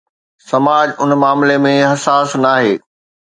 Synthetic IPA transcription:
sɐmaːd͡ʑʊnmaːmlemẽɦɐsaːsnaːɦeː

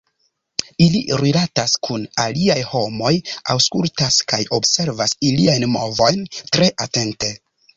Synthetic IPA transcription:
ilḭɾilataskʰunaliajho̞mo̞jawskultaskajo̞bse̞ɾvasiliajnmo̞̰vo̞jntɾe̞ʔate̞nte̞

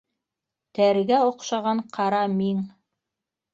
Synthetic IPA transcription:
t̪æɾɡæŏqʃɑʁɑɴqʰɑɾɑmiŋ

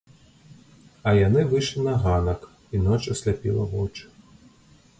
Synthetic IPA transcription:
ɐjanɪvɨʂlʲinɐɣanɐk | inɔt͡ʃɐsʲlʲapʲḭlˠɐ̰vɔ̰t͡ʂ

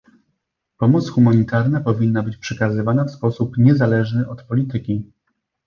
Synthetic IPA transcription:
pɔmɔt̪sxumaɲit̪aɾnapɔvʲinːabɘt͡ɕpʂɛkazɘvanafspɔsupɲɛzalɛʐnɘʔɔt̪pɔlʲit̪ɘkʲi

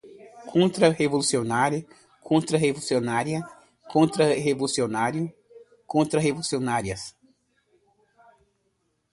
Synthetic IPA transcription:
kʰõnt̪ɾɐhevolusionaɾ | kʰõnt̪ɾɐɦevousionaɾjɐ | kõnt̪ɾɐɦevolusionaɾjʊ | kõnt̪ɾɐɦevolusionaɾiɐs

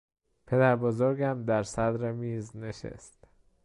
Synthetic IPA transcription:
pʰe̞d̪æɾbozoɾɡæmd̪æɾsæd̪ɾemiːzneʃḛst̪

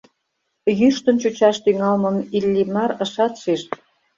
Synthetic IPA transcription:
jyʃt̪ə̆nt͡ɕut͡ɕɑʃt̪yŋɑlmə̆milʲːimɑɾə̆ʃɑt̪ʃiʃ

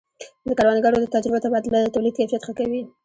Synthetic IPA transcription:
d̪əkaɾwɑnɡaɽod̪ət̪ad͡ʒɾɪbat̪abɑd̪ɪlad̪ət̪awlid̪̚kajfijat̪xakawi

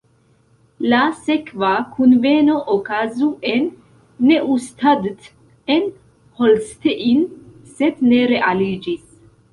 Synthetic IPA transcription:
lasekvakʰunvenoʔokazuʔenː | e̞ʔust̪ʰad̪t̪ | en | holst̪eʔin | sed̪neɾeʔalid͡ʒis

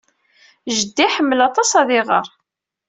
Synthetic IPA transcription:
ʒəd̪ːiħəmːəlɑt̪ˤɑsɑðɪʁə̰ɾˤ

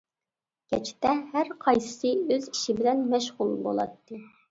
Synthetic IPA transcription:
ɡʲɛt͡ʃʰɪ̥t̪ɛhæɾqʰɑjsɨ̥sɨøzi̥ʃibɪlɛnmɛʃʁʊlˠbo̰lˠɑ̰t̪ːɨ

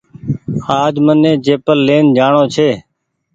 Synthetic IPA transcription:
aːd͡ʒmənːẽːt͡ʃeːpəlːeːnd͡ʒaːɳoːt͡ʃʰeː

